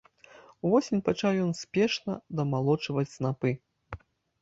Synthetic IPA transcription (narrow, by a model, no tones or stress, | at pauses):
uvɔsʲinʲpat͡ʂawjɔnsʲpʲɛʂnɐd̪ɐmalˠɔt͡ʂvɐt͡sʲsnapɨ